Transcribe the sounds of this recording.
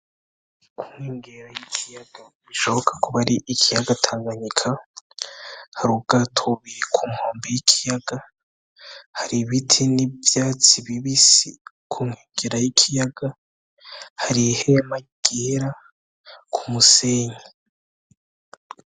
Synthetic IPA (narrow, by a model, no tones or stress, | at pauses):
kʰuŋ̥heːŋɡeɾajikʰijaɡ̥a | iʃo̞hokʰḁkuβaɾiʔikʰijaɡatʰaːŋɡaɲikʰa | haɾuɡ̥atʰoβiɾikʰumhoːmbijikʰi̥jaɡ̥a | haɾiβitʰinivjaːt͡siβiβisi | kʰuŋheːŋɡeɾajikʰijaɡ̥a | haɾihema | ɡ̥eɾa | kʰumuseːɲe